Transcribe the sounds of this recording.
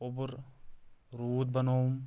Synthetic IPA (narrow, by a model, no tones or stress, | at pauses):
obuɾ | ɾuːt̪̚bɐnom